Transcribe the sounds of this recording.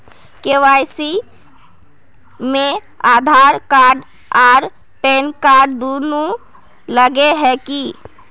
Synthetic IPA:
kewajsi | me | ad̪ʱaɾkaɾɖ | aɾ | pɛnkaɾɖd̪onu | ləɡeɦɛki

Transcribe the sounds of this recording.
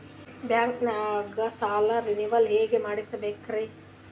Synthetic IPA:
baŋknaɡɐsaːlɐɾiniʋɐlɦeːɡemɐɽit̪ɐbekːɾe

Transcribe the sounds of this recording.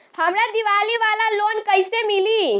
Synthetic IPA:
həmɾad̪iʋaliʋalalonkəjsemili

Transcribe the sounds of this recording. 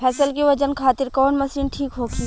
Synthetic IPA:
pʰɛːsəlkiʋɐd͡ʒənkʰaːt̪ɪɾkɔːnmɐsɾiːnʈʰiːkɦoːɡi

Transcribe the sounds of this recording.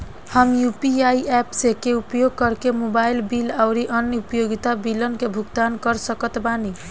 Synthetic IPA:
həmjupiaiɛpsekeupjoɡ̚kəɾkemobailbilawɾiʔənupjoɡit̪abilənkebʱuɡt̪ankəɾsəkət̪bani

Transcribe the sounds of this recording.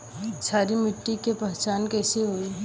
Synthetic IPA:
saːɾimɪʈːikepɛɦt͡ʃaːnkɛːseɦoːi

